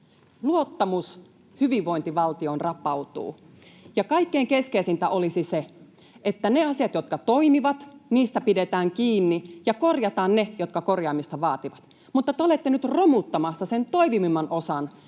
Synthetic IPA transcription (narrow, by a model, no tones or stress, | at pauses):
luot̪ːɑmus | hyʋiʋʋo̞int̪iʋɑlt̪io̞nrɑpɑwt̪ṵː | jɑkɑikːeːŋkeskeisint̪æʔolisise | et̪ːæneɑsijɑt̪jot̪kɑt̪o̞imiʋɑt̪niːst̪æpidet̪æːŋkiːnːijɑko̞rjɑt̪ɑːnnejot̪kɑko̞rjɑːmist̪ɑʋɑːt̪iʋɑt̪ | mut̪ːɑt̪eole̞t̪ːenyt̪romut̪ːɑmɑsːɑsent̪o̞imimimɑnʔosɑn